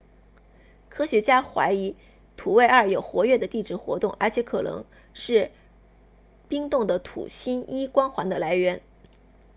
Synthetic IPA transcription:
kʰɤ˥ɕɥɛ˧˥t͡ɕja˥xwa̰˧˥ɪi˧˥ | t̪ʰu˨˩we˥˧ɪə˞˥˩jo˨˩ʊxwɔ˧˥ɥɛ˥˩d̪ə˩t̪i˥˩ʈ͡ʂɻ̩˥˩xwɔ̰˧˥t̪ʊ˥˩ŋə˞˧˥t͡ɕʰjɛ˧˥kʰɤ̰˨˩nɤ̰˧˥ŋ | ʂɻ̩˥˩ | pi˥ŋt̪ʊ˥˩ŋd̪ə˩t̪ʰṵ˨˩ɕi˥ni˥kwɑ˥nxwa˧˥nd̪ə˧˨la˧˥ɪɥɛ˧˥n

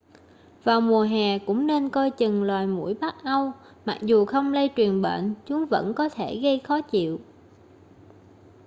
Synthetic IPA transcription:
vaː˨˩wmu˨˩əɦɛː˨˩kʊ̰˧˥ŋ͡mne˧nkɔ˧jt͡ɕɨ˨˩ŋlwaː˨˩jmṵ˧˥əjɓa˦˥k̚ʔa˧w | ma˨˩k̚zu˨˩xə˧wŋ͡mlə˧jt͡ɕwi˨˩ənɓḛː˧˨nt͡ɕʊ˨˦ŋ͡mvə̰˧˥nkɔ˨˦t̪ʰe˧˩ɣə˧jxɔ˨˦t͡ɕḭ˧˨w

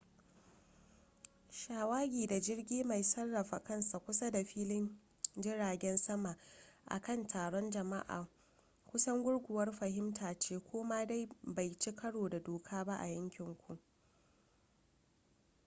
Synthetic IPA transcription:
ʃaː˨waː˦ɡʲiː˨da˨d͡ʒɪ˦rɡʲiː˦ma˨jsɐ˦rːɐ˨ɸa˨kɐ˦nsa˨kʷʊ˦sa˦da˨ɸiː˦lɪ˦n | d͡ʒɪ˦ɽaː˨ɡʲɛ˦nsɐ˦ma˨ʔa̰˨kɐ˦˨ntʰaː˨ɽɔ˦nd͡ʒɐ˨ma̰˦ʔa̰ː˨ | kʷʊ˦sɐ˦ŋɡʷʊ˦ɽɡʷʊ˨wɐ˦rɸɐ˨ɦɪ˦mtaː˨t͡ʃeː˦kʷoː˦ma˦da˦jba˨jt͡ʃi˦kɐ˦ɽoː˨da˨doː˨kʰaː˦ba˦ʔa̰˨jɐ˦ŋkʲɪ˨ŋkʷu˨ʔ

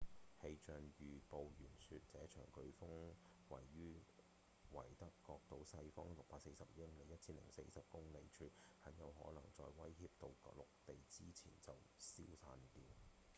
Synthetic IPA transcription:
he˧jt͡ʃœː˨ŋjyː˨˩po˨wjyː˨˩nsyː˧t̚t͡sɛː˨˥t͡ʃʰœ̰ː˨˩ŋkɵ˧ɥfʊ˥ŋ | wɐ˨˩jːyː˥ | wɐ˨˩jt̪ɐ˥kːɔː˧k̚t̪o˨˥wsɐ˧jfɔ˥ŋlʊ˨k̚paː˧t̚se˧jsɐ˨p̚jɪ˥ŋle˨˧jɐ˥t̚t͡sʰiː˥nlɪ̰˨˩ŋse˧jsɐ˨p̚kʊ˥ŋne˨jt͡ʃʰyː˧hɐ˨˥ŋjɐ˨˧wɦɔ̰ː˨˥nɐ˨˩ŋt͡sɔː˧jwɐ˥jhiː˧p̚t̪o˧wklʊ˨k̚t̪e˨jt͡siː˥t͡sʰḭː˨˩nt͡sɐ˨w | si˥wt͡sʰaː˧nt̪iː˧w

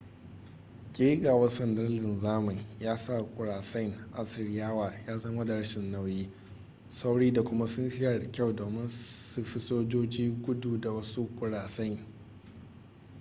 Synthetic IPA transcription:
kʲʼeː˦ɡaː˨wɐ˦rsɐ˨ndɐ˦lɪ˨nzaː˦mɐ˨ɲjaː˦sa˦˨kʷʼʊ˨ɽaː˨sɐ˦jŋʔa˨sɪ˨ɽɪ˦jaː˦waː˨jaː˦zɐ˦ma˦da˨ɽʃɪ˨nːa˦wjiː˦ | sa˦wɽiː˦da˨kʷʊ˦ma˦sʊ˦nʃɪ˦ja˨ɽɐ˨kʲa˦˨wdoː˨mɪ˦nsu˨ɸi˦soː˦d͡ʒoː˦d͡ʒiː˦ɡʷʊ˦duː˨da˨wɐ˦su˦kʷʼʊ˨ɽaː˨sɐ˦jŋ

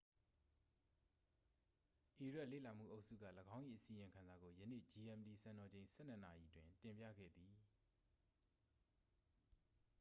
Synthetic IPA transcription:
ʔi˨ɹa˦ʔlḛ˦˨la˨m̥ṵ˦˨ʔo˦ʊʔsṵ˦˨ɡä̰˦˨ləɡã˦ʊ̃ʔḭ˦˨ʔəsi˨jɪ̃˨ŋkʰã˨nza˨ɡo˨jənḛ˦˨d͡ʑi˨ʔɛ̃˨mdi˨sã˨nɔ˨d͡ʑẽ˨ɪ̃sʰɛ˦˨n̥ə˦na˨ji˨ʔətwɪ̃˨ntɪ̃˨mpjä̰˦˨ɡɛ̰˦˨d̪ði˨

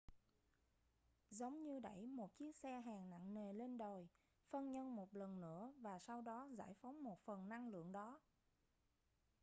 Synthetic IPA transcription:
zə˨˦wŋ͡mɲɨ˧ɗə̰˧˩jmo˨˩t̚t͡ɕi˦˥ək̚sɛ˧ɦaː˨˩ŋna̰˧˨ŋne˨˩le˧nɗo˨˩j | fə˧nɲə˧nmo˨˩t̚lə˨˩nnɨ̰˧˥əvaː˨˩sa˧wɗɔ˨˦za̰ː˧˥˩jfa˨˦wŋ͡mmo˨˩t̚fə˨˩nna˧ŋlɨ̰˧˨əŋɗɔ˨˦

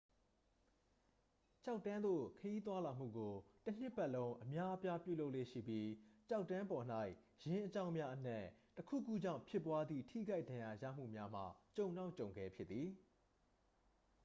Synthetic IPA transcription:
t͡ɕa˦ʊtːã˦nd̪o̰˦˨kʰəji˦t̪̬wa˦la˨m̥ṵ˦˨ɡo˨tən̥ɪ˦ʔpa˦ʔlõ˦ʊ̃ʔəmja˦ʔəpja˦pjṵ˦˨lo˦ʊʔlḛ˦˨ʃḭ˦˨bji˦t͡ɕa˦ʊtːã˦mpɔ˨n̥a˦ɪʔ | jɪ̃˦ʔət͡ɕã˦ʊ̃mja˦ʔən̥ɛ̰˦˨təkʰṵ˦˨kṵ˦˨d͡ʑã̰˦˨ʊ̃mpʰjɪ˦pːwa˦d̪ðḭ˦˨tʰḭ˦˨ɡa˦ɪdã˨ja˨ja̰˦˨m̥ṵ˦˨mja˦m̥a̰˦˨t͡ɕõ˨ʊ̃na˦ʊt͡ɕõ˨ʊ̃ŋɡɛ˦˨pʰjɪ˦t̪t̪ːi˨

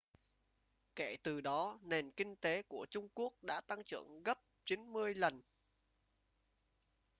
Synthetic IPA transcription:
ke˧˩t̪ɨ˨˩ɗɔ˨˦ne˨˩nkï˧ŋ̟t̪e˨˦ku˧˩ət͡ɕʊ˧ŋ͡mku˦˥ək̚ɗa̰ː˧˥t̪a˧ŋt͡ɕɨ̰˧˩˨əŋɣə˦˥p̚t͡ɕi˨˦nmɨ˧əjlə˨˩n

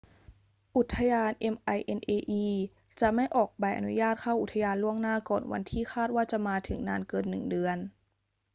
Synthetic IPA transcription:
ʔu˨˩t̪ʰːa˧jaː˧nʔe˧mʔa˧jʔe˧nʔeː˧ʔiː˧ | t͡ɕa˨˩ma˥˩jʔɔː˨˩k̚pa˧jʔa̰˧nu˦jaː˥˩t̪̚kʰa˥˩ʔu˨˩t̪ʰːa˧jaː˧nlu˥˩əŋnaː˥˩kɔː˨˩nwa̰˧nt̪ʰiː˥˩xʰaː˥˩t̪̚waː˥˩t͡ɕa˨˩maː˧t̪ʰɯ˩˦ŋnaː˧nkɤː˧nːɯ˨˩ŋdɯ˧ən

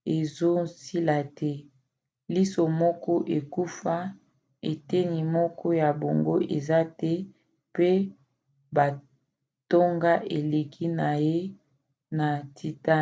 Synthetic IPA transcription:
e˨zo˦si˦la˨tɛ˦ | li˦so˨mɔ˦kɔ˦ʔe˨ku˦fa˦ | e˨te˦ni˨mɔ˦kɔ˦ja˨bo˨ŋɡo˦ʔe˨za˦tɛ˦ | pe˦ | ba˨ | to˦ŋɡa˦ʔe˨le˨kʰi˦na˨je˦ | na˨tʰi˨ta˦

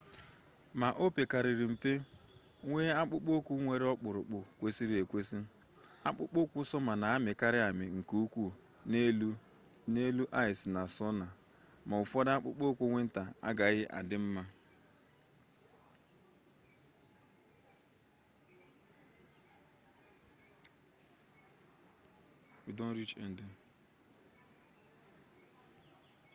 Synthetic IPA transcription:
ma˨ʔo˦pe˨ka˨ɾɪ˨ɾi˨m̩˨pe˦ | ŋʷe˦a˦k͡pʊ˦k͡po˦kʷu˦ŋʷe˦ɾe˦ɔ˦k͡pʊ˨ɾʊ˨k͡pʊ˨kʷe˦si˦ɾi˦e˨kʷe˦si˦ | a̰˦k͡pʊ̰˦k͡po˦kʷu˦sɔ˦ma˨na˨a˦mɪ˨ka˦ɾɪ˦a˨mɪ˨ŋ̩˨ku˦kʷu˦ | ne˦u˦ | ne˦lu˦ʔa˦ɪ˨sna˨sɔ˦na˨ | ma˨ʊ˨fɔ˦da˦k͡pʊ̰˦k͡po˦kʷu˦ŋʷe˦n̩˦ta˨a̰˦ɡa˨ɣɪ˦ʔa̰˨dɪ˦m̩˦ma˦ | i˨dɔ˦n̩˦ɾi˦t͡ʃḛ˨n̩˨dʊ˨

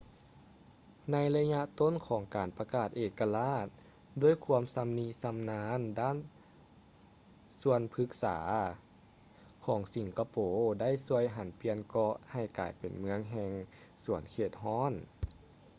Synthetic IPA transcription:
na˧˥jla˧ɲa˧˥ʔt̪o˥˨nkʰɔː˨˩˦ŋkaː˨˩npa˧kaː˨˩t̪̚ʔeː˨˩kːa˧laː˧˥˩t̪̚ | doː˧˥˨jkʰu˧˥əmsa˧mni˧˥sa˧mnaː˧˥ndaː˥˩˨n | su˧ənpʰɯ˧˥k̚sa̰ː˩˦ | kʰɔː˩˦ŋsi˨˦ŋka˧poː˨˩da˥˩˨jsu˧əjɦa˨˩˦npi˧ənkɔ˧ʔha˨˩jkaː˨˩jpe˨˩nmɯ˧˦əŋɦɛː˧ŋsu˨˩˦ənkʰeː˧˩t̪̚ɦɔː˧˥˩n

